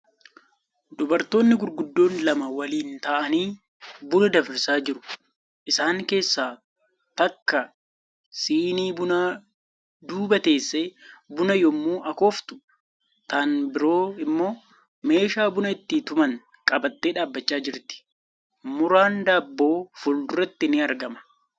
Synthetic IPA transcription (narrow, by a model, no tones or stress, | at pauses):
d̪ʊbɐɾt̪o̞ːnːɪɡʊɾɡʊd̪ːo̞ːnlɐmɐwɐliːnt̪ɐʔɐniː | bʊnɐd̪ɐfɾɪsaːd͡ʒɪɾʊ̥ | ʔɪsaːŋke̞ːsːaː | t̪ɐkːɐ | siːniːbʊnaː | d̪uːbɐt̪e̞ːsːebʊnɐjɔmːuːʔɐkoːft̪ʊ̥ | t̪aːnbɪɾo̞ːɪmːo̞ː | me̞ːʃaːbʊnɐɪt̪ːɪt̪ʊmɐŋ | kʼɐbɐt̪ːeːᶑaːbːɐt͡ʃːaːd͡ʒɪɾt̪ɪ̥ | mʊɾaːnd̪aːbːo̞ːfʊld̪ʊɾɐt̪ːɪnɪɐɾɡɐmɐ̥